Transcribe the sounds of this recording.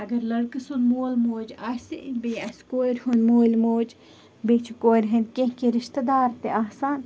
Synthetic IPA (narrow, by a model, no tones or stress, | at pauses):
ɐɡɐɾlɐɽkɐsunmoːlmoːd͡ʒasibeɐskoːiɾhunmoːlʲmoːd͡ʒ | beːt͡ʃʰkoːjɾɦɐnkẽɦkeɾɪʃt̪ɐd̪aːɾt̪eʔaːsaːn